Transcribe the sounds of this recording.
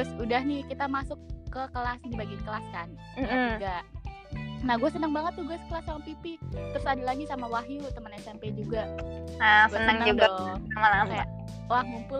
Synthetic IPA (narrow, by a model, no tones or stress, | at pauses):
t̪ʊsudahnikit̪amasʊkːəkəlasdibaɡinkəlaskan | m̩d͡ʒuɡaʔ | nahɡuasənəŋbaŋət̪ːʊhɡuasə̥kəlasamapipit̪ɾʊsadalaɡisamawaɦjut̪əmənɛsɛmped͡ʒuɡaasɡənəŋəd͡ʒuɡaɔamalamaja | oaŋmumpʊl